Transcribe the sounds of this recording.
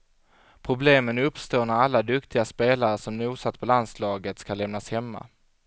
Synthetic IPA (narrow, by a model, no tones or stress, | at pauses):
pʰɾʊbleːmənɵpːst̪oːnaɾalːad̪ɵkt̪ʰɪɡaspeːlaɾəʂɔmnuːsat̪ːpʰɔland̪slɑːɡət̪skalɛmnashɛmːa̰